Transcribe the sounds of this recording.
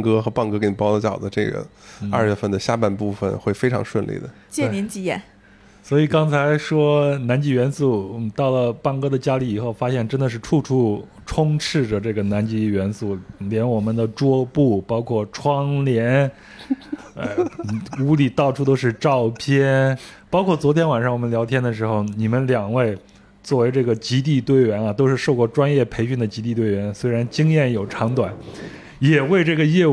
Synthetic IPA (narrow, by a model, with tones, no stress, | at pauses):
ŋkɤ˥xɤ˧˥pa˥˩ŋkɤ˥ke˧˥ni˨˩pɑ˥ʊlə˧˩t͡ɕjɑ˨˩ʊd̪ə˦ʈ͡ʂɤ˥˩ɡə̰˩n̩˥˩ɐ˥˧ɥɛ˥˧fə˥˩nd̪ə˩ɕja˥˧pa˥˧npu˥˩fə̰˨˩nxwe˥˩ɪfe˥ɪʈ͡ʂʰɑ̰˧˥ŋʂwə˥˧nlḭ˥˩d̪ə˩ | t͡ɕjɛ˥˩˥ni˧˥nt͡ɕi˧˥jɛ̰˨˩˦n | swɔ˧˥i˨˩kɑ˥ŋt͡sʰa˧˥ɪʂwɔ˥na˧˥nt͡ɕi˧˥˩ɥɛ˧˥nsu˥˩t̪ɑ˥˩ʊlə˩pa˥˩ŋkɤ˥d̪ə˨t͡ɕja˥li˧˩i˨˩xo˥˩ʊfa˥ɕjɛ˥˩nʈ͡ʂə˥nd̪ə˨ʂ̬ɻ̩˥˩ʈ͡ʂʰu˥˧ʈ͡ʂʰu˥˩ | ʈ͡ʂʰʊ˥ŋʈ͡ʂʰɻ̩˥˩ʈ͡ʂə˩ʈ͡ʂɤ˥˩ɡə˩na˧˥nt͡ɕi˧˥ɥɛ˧˥nsu˥˩ljɛ˧˥nwɔ˨˩mə˦nd̪ə˨ʈ͡ʂwɔ˥pu˥˩pɑ˥ʊkʰwɔ˥˩ʈ͡ʂʰwɑ˥ŋljɛ˧˥n | a̰˥˧˩u˧˥li˨˩t̪ɑ˥˩ʊʈ͡ʂʰu˥t̪o˥ʊʂ̬ɻ̩˥˧ʈ͡ʂɑ˥˩ʊpʰjɛ˥npɑ˥ʊkʰwɔ˥˩t͡swɔ˧˥t̪ʰjɛ˥nwa˨˩nʂɑ˥˩ŋwɔ˨˩mə˦nljɑ˧˥ʊt̪ʰjɛ˥nd̪ə˨ʂ̬ɻ̩˧˥xo˥˧ʊni˨˩mə˦nljɑ˨˩ŋwe˥˩ɪ | t͡swɔ˥˩we˧˥ɪʈ͡ʂɤ˥˩ɡə˩t͡ɕi˧˥t̪̬i˥˧t̪we˥˧ɪɥɛ˧˥nɐ˧t̪o˥ʊʂɻ̩˥˧ʂo˥˧ʊkwɔ˥˩ʈ͡ʂwa˥njɛ˥˩pʰe˧˥ɪɕy˥˩nd̪ə˩t͡ɕi˧˥t̪̬i˥˧t̪we˥˩ɪɥɛ˧˥nswe˥ɪɻa˧˥nt͡ɕi˥ŋjɛ˥˩njo˨˩ʊʈ͡ʂʰɑ˧˥ŋt̪wa˨˩˦n | jɛ˨˩we˥˧ɪʈ͡ʂɤ˥˩ɡə˩jɛ˥˧